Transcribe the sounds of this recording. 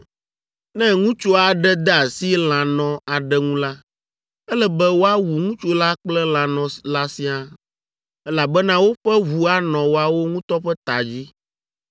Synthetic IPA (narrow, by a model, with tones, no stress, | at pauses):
nɛ̃˦ŋũ˦t͡ʃo˦a˨ɖɛ˦d̪ɛ˦a˨si˦l̃ã˨nɔ̃˨a˨ɖɛ˦ŋũ˦la˦ | ɛ˦lɛ˦bɛ˦wo˦a˦wu˨ŋũ˦t͡ʃo˦la˦k͡plɛ˦l̃ã˨nɔ̃˨la˦si˦a˦ | ɛ˦la˨bɛ˦nã˦wo˦ɸɛ˦βu˨a˦nɔ̃˨wo˦a˨wo˦ŋũ˦t̪ɔ˦ɸɛ˦t̪a˨d͡ʑi˦